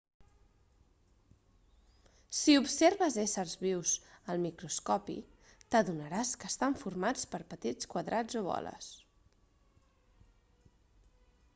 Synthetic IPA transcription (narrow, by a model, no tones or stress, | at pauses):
siupseɾβəzesərzβiwzəlˠmikɾuskɔpḭ | t̪əðunəɾaskəːst̪aɱfurmat͡spəɾpət̪it͡skwəðɾʔad͡zoβɔ̰lə̰s